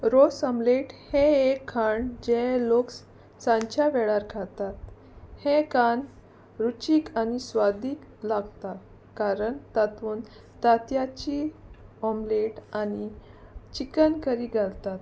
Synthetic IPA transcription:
ɾosəmleʈheekʰːaɳd͡ʑeloks | sãɲt͡ɕaʋɛɭaɾkʰat̪at̪ | hẽkan | ɾut͡ɕiːkanisʋad̪iːklaɡt̪at̪ | kaɾəɳt̪at̪uːn | t̪at̪jat͡ɕiɔmleʈanit͡ɕikənkəɾiɡʱalt̪at̪

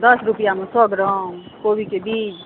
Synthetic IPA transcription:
d̪ʌsɾupijamesɔɡɾʌ̃kobikebid͡ʒ

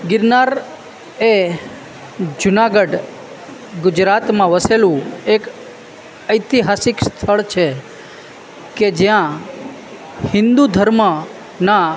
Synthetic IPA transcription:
ɡɪɾnaɾ | e | d͡ʒʊnaɡəɖ | ɡʊd͡ʒɾat̪mãʋəselũek | əjt̪iɦasɪkst̪ʰəɭt͡ʃʰe | ked͡ʒjã | hɪ̃nd̪ud̪ʱəɾmə | na

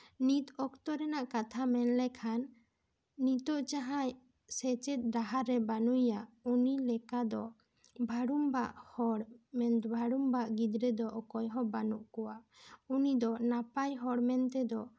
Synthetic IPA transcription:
nit̪ɔkt̪ɔɾɛnaʔkat̪ʰamɛnlɛkʰanː | it̪ɔʔt͡ʃaɦaj | sɛt͡ʃɛt̪̚ɾaɦaɾɛbanujaʔunilɛkad̪ɔ | bʱaɽumbaʔhɔɽmɛnbʱaɽumbaʔɡid̪ɾɛd̪ɔʔɔkɔjɦɔbanuʔkɔwaʔunid̪ɔnapajɦɔɽmɛnt̪ɛd̪ɔ

